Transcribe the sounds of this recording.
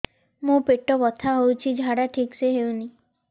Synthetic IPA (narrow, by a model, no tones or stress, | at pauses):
mũpeʈɔbɔt̪ʰaɦowt͡ʃʰid͡ʒʱaɽaʈʰikseɦewni